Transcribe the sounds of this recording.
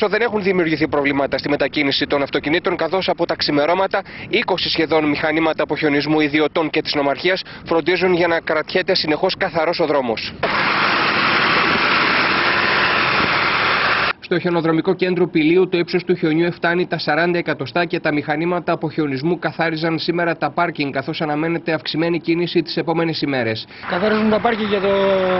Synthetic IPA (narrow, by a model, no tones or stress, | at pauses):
oðe̞ne̞xunðimiuɾʝiθipɾo̞vlimɐt̪ɐst̪ime̞t̪ɐcinisit̪o̞nɐft̪o̞cinit̪o̞ŋkɐθo̞sɐpo̞t̪ɐksime̞ɾo̞mɐt̪ɐiko̞sisçe̞ðo̞nmixɐnimɐt̪ɐːpo̞çeo̞nizmuiðio̞t̪o̞ŋce̞t̪i̥zno̞mɐɾçiɐs | fɾo̞nd̪izunʝɐnɐkɾɐt̪çet̪e̞sine̞xo̞skɐθɐɾo̞so̞ðɾo̞mo̞s | st̪o̞çe̞no̞ðɾo̞miko̞ce̞nd̪ɾopiliut̪o̞ipso̞st̪uçeo̞ɲue̞ft̪ɐnit̪ɐsɐɾɐnd̪ɐe̞kɐt̪o̞st̪ɐce̞t̪ɐmixɐnimɐt̪ɐːpo̞çeo̞nizmukɐθɐɾizɐnsime̞ɾɐt̪ɐpɐɾciŋɡkːɐθo̞sɐnɐme̞ne̞t̪e̞ɐfksime̞nicinisit̪i̥se̞po̞me̞ne̞sime̞ɾe̞s | kɐθɐɾizmut̪ɐpɐɾciʝɐt̪o